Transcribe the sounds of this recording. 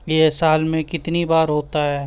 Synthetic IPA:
jesaːlmẽkɪt̪nibaːɾɦoːt̪aɦɛː

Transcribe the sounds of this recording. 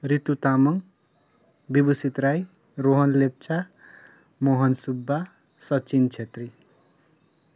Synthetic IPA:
rit̪ut̪amʌŋ | bibusit̪raj | roɦʌnlep̚t͡sʰa | moɦʌnsubːa | sʌt͡sint͡sʰet̪ri

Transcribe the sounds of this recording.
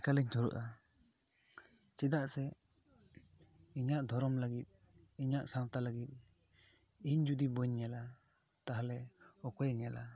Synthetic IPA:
kalɛɲtʰɔɾṵʔa | t͡ʃid̪aʔsɛ | iɲaʔd̪ʱɔɾɔmlaɡit̪̚ | iɲaʔsawt̪alaɡit̪̚ | iɲd͡ʒud̪ibɔɲːɛla | t̪aɦalɛɔkɔjŋɛla

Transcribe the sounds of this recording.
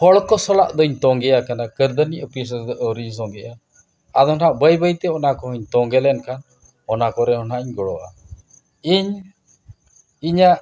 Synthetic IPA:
hɔɭkɔsɔla̰ʔd̪ɔɲt̪ɔŋɡɛjakanakəɾd̪əniʔəpis̬ʔəɾis̬ɔŋɡɛʔa | ad̪ɔnaʔbəjbəjt̪ɛɔnakɔɦiɲt̪ɔŋɡɛlɛnkan | ɔnakɔɾɛɦɔnaʔiɲɡɔɽɔʔa̰ | iɲ | iɲaʔ

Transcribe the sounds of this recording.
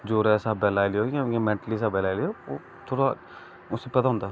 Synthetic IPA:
d͡ʒoːɾɛsaːbɛːlaːlioːãemẽːɳʈəlis̬aːbɛːlaːjliooː | t̪ʰoːɽa | ʊsːepɐt̪aɦʊ̃nd̪a

